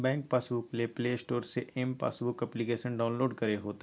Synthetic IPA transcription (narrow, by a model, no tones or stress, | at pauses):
bɛ̃ːŋk̚paːsbʊklepleːsʈoːɾseʔɛmpa̰ːsbʊkɐplikeːʃənɖaːʊnloːɖkɐɾeɦoːt̪ː